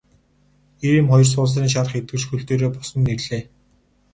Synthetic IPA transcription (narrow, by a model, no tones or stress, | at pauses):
eɾiːmχɔjɞrs̬ʊːɮriːŋʃ̬aɾə̆χet̪̚ɡɘ̆t͡ɕxɵɮt̪eːɾoːpɔsɞ̆nːerɮ̥eː